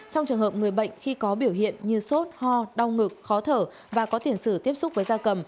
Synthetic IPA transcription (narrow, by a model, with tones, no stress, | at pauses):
t͡ɕɔ˧wŋ͡mt͡ɕɨ˨˩ŋɦəː˨˩p̚ŋɨ˨˩əjɓə̰˧˨jŋ̟xi˧kɔ˨˦ɓi˧˩əwɦḭ˧˨ənɲɨ˧so˦˥t̚hɔ˧ɗa˧wŋɨ˨˩k̚xɔ˨˦t̪ʰəː˧˩ | vaː˨˩kɔ˨˦t̪i˧˩ənsɨ˧˩t̪i˦˥əp̚sʊ˦˥k͡p̚vəː˨˦jzaː˧kə˨˩m